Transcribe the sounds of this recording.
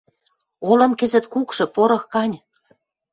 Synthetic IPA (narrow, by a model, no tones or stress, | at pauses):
olɤ̆mkɘ̆zɘ̆t̪kukʃɤ̆poɾɤ̆xkɑnʲ